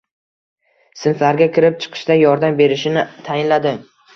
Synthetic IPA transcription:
sɪnflaɾɡʲakʲʰɪɾɪp̚t͡ʃʰɨ̥qʰɨ̥ʃd̪ajɒɾd̪ambe̞ɾɪʃɪnɪt̪ʰajɪnlad̪ɪ

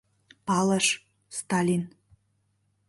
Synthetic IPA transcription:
pɑlˠəʃ | st̪ɑlʲin

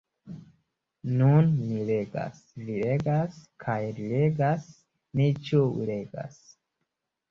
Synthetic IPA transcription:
nunːileɡa̰s | liɾeɡaskʰajɾileɡas | nit͡ʃuṵleɡa̰s

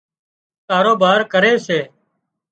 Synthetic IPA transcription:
kaːɾoːbaːɾkəɾeːseː

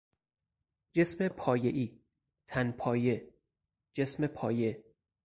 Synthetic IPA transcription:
d͡ʒe̞smepʰɒːjeʔiː | t̪ʰænpʰɒːje̞ | d͡ʒe̞sme̞pʰɒːje̞

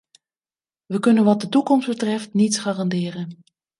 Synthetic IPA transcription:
ʋəkɵnənʋɑt̚dətukɔmsdbətrɛftnitsχaːrɑndɪːrən

